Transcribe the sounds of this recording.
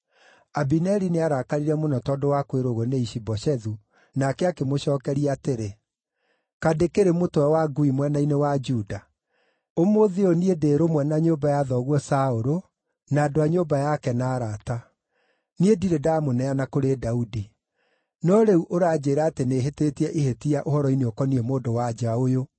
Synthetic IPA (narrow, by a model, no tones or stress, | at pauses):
abinɛɾineaɾakaɾiɾɛmonɔtɔdowakweɾoɣoneiʃibɔʃɛðu | nakɛakemoɕɔːkɛɾiateɾe | kadekeɾemotowɛwaɡuimwɛnainewad͡ʒuda | omoðeoniedeɾomwɛnaɲoːbajaːðɔɣwɔsaoɾo | naːdoaɲoːbajakɛnaːɾata | niediɾedamonɛanakoɾedaudi | nɔɾeuʔoɾaːd͡ʑeːɾaːteneːɦeteːtiɛʔiɦetiaʔohɔɾɔineokɔniɛmoːndowad͡ʒaojo